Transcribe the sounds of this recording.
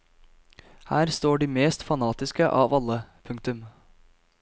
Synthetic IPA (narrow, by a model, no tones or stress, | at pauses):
hæːɾst̪oːɖiːmeːst̪fɑnɑːt̪ɪskəʔɑːʋɑlːəpʰʉŋkt̪ʉm